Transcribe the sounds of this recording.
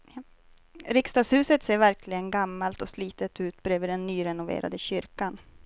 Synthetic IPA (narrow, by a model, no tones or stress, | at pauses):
ɾɪkst̪ɑːɡshʉ̟ːsət̪seːɾvæɾkʰlɪɡənɡamːalt̪ɔsliːt̪ət̪ʉ̟ːt̪bɾøːvəɖ̪ɛnːyːɾɛnʊvḛːɾʔa̰d̪əɕʏɾkan